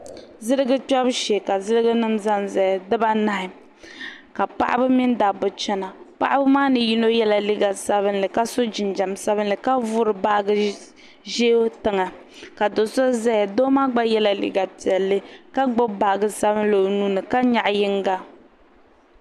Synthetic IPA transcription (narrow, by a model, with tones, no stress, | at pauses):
zɨ˦ɾɨ˦ɡɨ˦k͡pɔ˦bʃe˨ka˨zɨ˦ɾɨ˦ɡɨ˦nɨ˦mza˦nza˨a˨dɨ˦ba˦na˦hɪ˨ | ka˨pa̰˦ʔa̰˦bɨ˦mi˦ndaː˨bʊ˨t͡ʃɛ˦na˨pa̰˦ʔa˦bɨ˦maː˦nɨ˨ji˦no˦jɛ˦la˨li˦ɡa˨sa˦βɨ˦nlɨ˨ka˦so˦d͡ʒɪ˨nd͡ʒa˨msa˦βɨ˦nlɨ˨ka˦vʊ˦ɾɨ˨ba˦ʔɡɨ˦ | ʒeː˦o˦tɨ˨ŋa˨ | ka˨do˨so˦za˦ja˨doː˦maː˦ɡ͡ba˦jɛ˦la˨lḭ˦ɡa˨pi˨ɛ˨lːɨ˦ka˦ɡ͡bo˦ba˨ʔɡɨ˦sa˦bɨ˦nlo˨nu˦nɨ˨ka˦ɲa˨ʔjɪ˦ŋɡa˦